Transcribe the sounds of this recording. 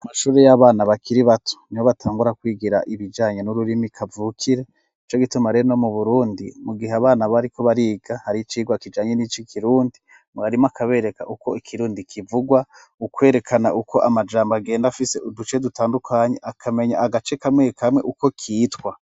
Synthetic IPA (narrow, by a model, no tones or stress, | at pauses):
amaʃuːɾe̞jaβaːnaβakiɾiβatʰu̥niwoβatʰaːŋɡuɾakwiːɡiɾa̰ʔiβid͡ʒaːɲe̞nuɾuɾimikʰavuːkʰiɾe̞ | it͡ʃo̞ɡitumaɾeɾono̞muβuɾuːndimuɡiɦeaβaːnaβaɾikʰo̞βaɾiːɡahaɾit͡ʃiːɡwakid͡ʒaːɲenit͡ʃikʰiɾuːndi | mɡaɾimoakʰaβe̞ːɾe̞ka̰ʔukoikʰiɾuːndikʰivuɡwa | ukwe̞ːɾe̞kʰanaʔukʰo̞ʔamad͡ʒaːmbaɡe̞ːndafiseudut͡ʃe̞dutʰaːndukʰaːɲe̞ʔakʰame̞ɲa̰aɡat͡ʃekamŋe̞ːkʰamŋe̞ʔuko̞kʰiːtwa